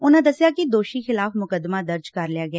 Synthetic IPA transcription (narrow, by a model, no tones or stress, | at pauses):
ʊnãːd̪əsjaːkid̪oːʃiːxɪlaːfmʊkəd̪maːd̪əɾd͡ʒkəɾlɪjaːɡɪɛː